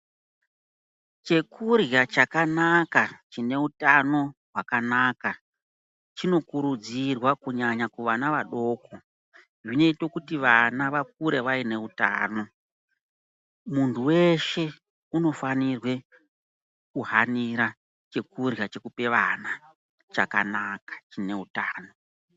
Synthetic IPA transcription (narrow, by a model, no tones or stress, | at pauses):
t͡ʃe̞kurjat͡ʃakanakat͡ʃine̞utano̞ɦwakanaka | t͡ʃino̞kuɾud͡zirwakuɲaɲakuʋanaʋaɗo̞ːko̞ | ʐine̞ito̞kutiʋanaʋak̚uɾeʋaine̞uta̰ːno̞ | muntʰuwe̞ʃe̞ | uno̞fanirwe̞ | kuɦaniɾa | t͡ʃe̞kurjat͡ʃe̞kupe̞ʋana | t͡ʃaka̰nakḁt͡ʃine̞utaːno̞